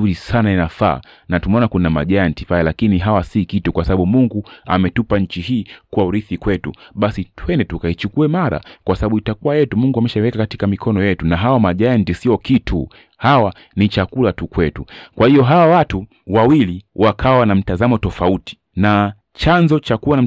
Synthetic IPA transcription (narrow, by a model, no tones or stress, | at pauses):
uɾisanainafa̰ː | natumɛɔnakunama̰ʄaantifajalakiniɦawasikitukwasaɓaɓumuŋɡua̰mɛtupaɲ̩t͡ʃiɦiːkuwauɾiθikwɛtṵɓasitwɛndɛtukait͡ʃukuɛmaɾa̰kwasaɓaɓuitakuwajɛtumuŋɡuamɛʃaiwɛkakati̥kamikʰɔnɔjɛtunaɦawamaʄajantisiɔkitʰu | hawa | nit͡ʃakulatukwɛtukwahiɔɦawawatu | wawiliwakʰawanam̩tazamɔtɔfauti̥ | na | t͡ʃanzɔt͡ʃakuwan